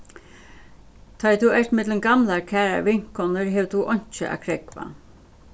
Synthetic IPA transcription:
t̪ʰɔjt̪ʰuɛrt̪mɪt̪lənɡamlaɹkʰæːɾa̰ʋɪŋ̥kɔnəɹɦɛːwt̪ʰuʔɔɲ̥t͡ʃɪ̰ʔa̰ːkʰɾɛkʋa̰

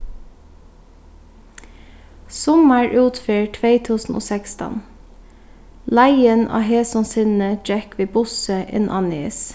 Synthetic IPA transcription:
sʊməɹʔʉːt̪fiːɹʈʰʋeɪt̪ʰʉːsn̩ʔo̰ːsɛkst̪ə̰n | læɪənʔɑ̰ːheːsɔnsɪnn̩əd͡ʒɛkʰʋeːbʊsəʔɪ̰nʔɑ̰ːnḛːs

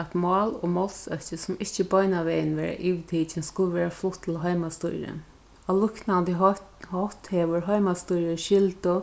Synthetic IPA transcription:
at̪mɑːlomɔlsœht͡ʃɪsʊmɪht͡ʃɪbɔjnaʋɛːjnʋɛːɹa̰ʔiːʋt̪ʰiːt͡ʃɪnskʊlˠəʋɛːɹaflʊht̪ʰːɪlɦœjmast̪ṵjɾɪ̰n | alʊhknant̪əhɔht̪hɛːʋʊɹɦɔjmast̪ujɾɪʃɪlt̪ʊ

